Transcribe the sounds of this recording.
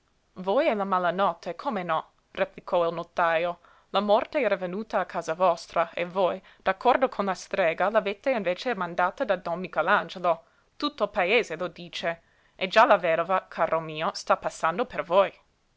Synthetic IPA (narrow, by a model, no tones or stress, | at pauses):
vojɛlamalanɔt̪ʰːekʰomenɔ | replikʰɔilnot̪ːaːjo | lamɔrt̪eɛːɾavenuːt̪aːkʰːaːzavɔst̪ɾaḛvoj | d̪̥akʰːɔrd̪okʰonlast̪ɾeːɡalavet̪einveːt͡ʃemãnd̪aːt̪ad̪ad̪ɔnmikaland͡ʒelo | t̪ut̪ːoilpaeːzelod̪iːt͡ʃe | ʔed͡ʒalavɛd̪ovakʰaːɾʔomiːost̪apasːand̪opervoj